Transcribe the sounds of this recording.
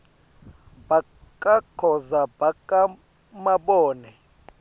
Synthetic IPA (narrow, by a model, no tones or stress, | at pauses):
ba | kʼakʰɔzabakʼa | maɓɔːnɛ